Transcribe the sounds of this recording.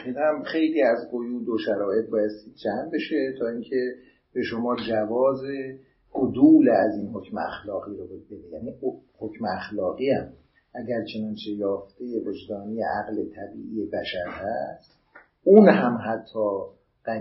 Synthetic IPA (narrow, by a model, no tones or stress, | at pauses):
iːɣæmxe̞jliːæzɢojuːd̪oʃæɾɒːje̞t̪̚bɒːjest̪iːd̪̚d͡ʒæmbe̞ʃe̞t̪ʰɒːiŋcʰe̞ | b̥e̞ʃo̞mɒːd͡ʒævɒːze | ɡod̪uːleæziːnho̞cʰmeæ̰xlɒːɣiːɾobebe̞d̪ejæːniːhocʰmeæxlɒːɣiːæm | ʔæɟæɾt͡ʃʰe̞nɒːnt͡ʃʰe̞jɒːft̪ejevo̞d͡ʒd̪ɒːnijḛʔæɣlet̪ʰæbḭːʔiːjebæʃæɾhæ̰st̪ | ʔunɦæmɦæt̪ʰːɒː | ɢ̥æ